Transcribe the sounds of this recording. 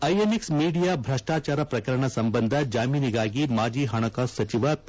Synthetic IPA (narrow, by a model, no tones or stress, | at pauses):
ɐjeniksmiːɖijaːbʱɾɐʂʈaːt͡ʃaːɾɐpɾɐkɐɾɐɳ̃ɐsɐmbɐnd̪ʱɐd͡ʒaːmiːniɡaːɡimaːd͡ʒiːɦɐɳ̃ɐkasɐt͡ʃiʋɐ